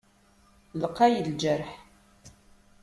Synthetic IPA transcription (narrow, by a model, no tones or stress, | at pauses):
ləqːɑjəld͡ʒəɾħ